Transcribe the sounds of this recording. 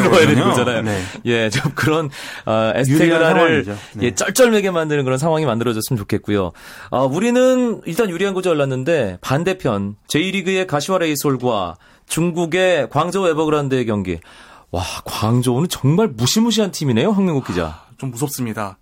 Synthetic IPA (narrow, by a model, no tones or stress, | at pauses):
ɾʌjedɯɡod͡ʑanajonje̞t͡ɕomkɯɾʌnʌesʰeɡɯɾaɾɯɭje̞t͡ɕ͈ʌɭt͡ɕ͈ʌɭme̞ɡe̞mandɯnɯnk̬ɯɾʌnsʰaŋwaŋimandɯɾʌd͡ʑʌs͈ɯmɯnt͡ɕokʰe̞t̚k͈ujo̰ | ʌuɾinɯniɭt͈anjuɾiɦanɡod͡ʑijʌɭːanːɯnde̞pande̞pʰjʌnt͡ɕe̞iɾiɡɯe̞kaɕʰiaɾeisʰoɭɡwa̰ | t͡ɕuŋɡuɡe̞kwaŋd͡ʑʌwe̞bʌɡɯɾandɯekjʌŋɡḛwakwaŋd͡ʑounɯnt͡ɕʌŋmaɭmuɕʰimuɕ̬ʰiɦantʰimine̞joɦjaŋmjiŋɡuk͈id͡ʑa̰t͡ɕomːus̬ʰʌp̚s͈ɯmɲida